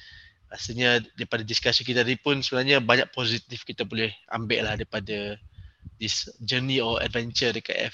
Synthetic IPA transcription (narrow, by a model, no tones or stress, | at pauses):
asiɲadaipadadiskasikit̪aadipʊnsəbənarɲabaɲak̚pozit̪ifkit̪apolɛhʔa̰mbɪʔlahdaɾipada | disd͡ʒəniɔa̰dvɛnt͡ʃədəka̰ʔ̪ɛ̰f